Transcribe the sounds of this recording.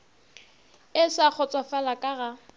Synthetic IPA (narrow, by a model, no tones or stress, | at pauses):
ɪsak͡xʰɔt͡sʼwafalakʼaɣa